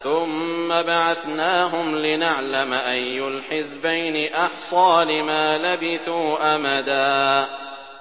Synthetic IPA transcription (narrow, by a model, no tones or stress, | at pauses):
ʊmːabaʕaθnaːɦʊmlɪnaʕlamʔajːʊlħɪsbajnɪʔɑħsˤɑːlɪmaːlabɪθuːʔamad̪aː